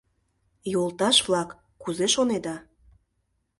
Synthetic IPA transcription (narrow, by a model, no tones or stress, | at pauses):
jolˠt̪ɑʃvlɑkː | uzeʃoned̪ɑ